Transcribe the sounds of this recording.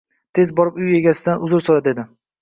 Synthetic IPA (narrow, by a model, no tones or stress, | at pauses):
t̪ʰe̞zbɒɾɪpʊje̞ɡʲasɪd̪anʊzʊɾsoɾad̪ed̪ɪ